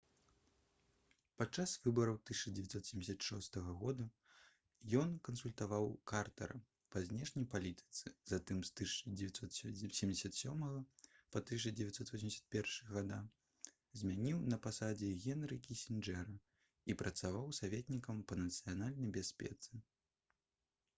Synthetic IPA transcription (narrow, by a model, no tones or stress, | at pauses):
pat͡ʂːasvɨbɐɾɐwt̪ɨsʲɐt͡ʂɐd͡zʲɛvʲɛt̪sɔt̪sʲɛmd͡zʲɪsʲɐt̪ʂɔst̪ɐɣɐɣɔd̪u | jɔnkɐnsulʲt̪avawkart̪ɐ̰ɾɐ | pɐzʲnʲɛʂnʲɐjpalʲit̪ɨ̥t̪sɨzat̪ɨmst̪ɨsʲt͡ʂɐd͡zʲɛvʲat̪ʲsɔt̪sʲɛmʲd͡zʲɪsʲɐt̪sʲɔmɐɣɐpɐt̪ɨsʲt͡ʂɨd͡zʲɛvʲɛat̪ʲsɔt̪vɔsʲmʲd͡zʲsʲɐ̥t̪pʲɛrʂɨɣɐɣad̪a | zʲmʲanʲiwnɐpasad͡zʲɛɣʲɛnɾɨkʲisʲind͡ʐɛɾɐ | ipɾɐt̪savawsavʲɛt̪ʲnʲikɐmpɐnɐt̪sɨjanalʲnɐjbʲasʲpʲɛ̰t̪sɨ